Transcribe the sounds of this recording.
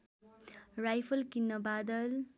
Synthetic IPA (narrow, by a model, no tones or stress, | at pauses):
ɾajpʰʌlkinːʌbad̪ʌl